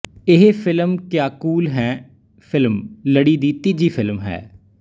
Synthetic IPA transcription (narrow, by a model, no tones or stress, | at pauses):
ɪɦefʰɪlmkjaːkuːlɦɛː | pʰɪlmləɽiːd̪iːt̪iːd͡ʒiːpʰɪlmɦɛ̰ː